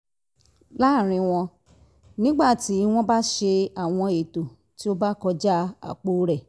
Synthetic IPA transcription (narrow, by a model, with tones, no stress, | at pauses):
la˦˨ɾ̃ĩ˧w̃ɔ̃˧ | nĩ˦ɡ͡ba˦˨ti˨˦w̃ɔ̃˦ba˦ʃe˧a˦˨w̃ɔ̃˧e˨to˨ | ti˨˦o˦ba˦kɔ˧d͡ʒa˦a̰˨k͡po˨˦ɾɛ˦˨